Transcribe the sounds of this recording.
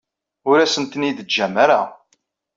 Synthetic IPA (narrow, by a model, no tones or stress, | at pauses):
ʊɾæsənt̪ənid̪əd͡ʒːæmaɾa̰